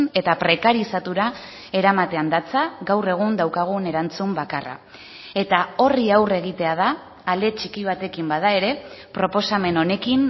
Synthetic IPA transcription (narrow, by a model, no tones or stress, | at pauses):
ne̞t̪apɾe̞kaɾisat̪uɾa | e̞ɾamat̪e̞and̪at͡saɣawre̞ɣ̞und̪awkaɣ̞une̞ɾant͡sumbakara̰ | e̞t̪ao̞riawre̞ɣ̞it̪e̞að̞aː | ld̪e̞t͡ʃikiβ̞at̪e̞kimbaðae̞ɾe̞pɾo̞po̞same̞no̞ne̞kin